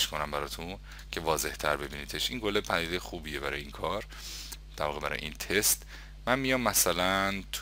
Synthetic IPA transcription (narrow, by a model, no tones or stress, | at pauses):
ʃkʰonæmbæɾɒːt̪ʰun | cʰe̞vɒːze̞ht̪ʰæ̰ɾbe̞biːniːt̪ʰeʃʔiŋɡo̞lepʰæniːd̪ejexuːbiːje̞bæɾɒ̰ːjeiːŋkʰɒːɾ | d̪̥æɾvɒːɣe̞bæɾɒ̰jḛḭnt̪ʰest̪ | mænmijɒːmːæsælænt̪ʰ